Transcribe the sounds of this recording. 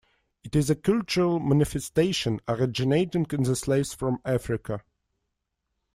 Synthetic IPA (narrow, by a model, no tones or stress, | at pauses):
ɨtɪzəkʰʌlˠt͡ʃəɹəlˠmæ̃nɪfɛsteɪʃə̃nəɹɪd͡ʒɪneɪtɪ̃nkɨ̃nðəsleɪvsfɹɔ̃mæfɹɪkʰə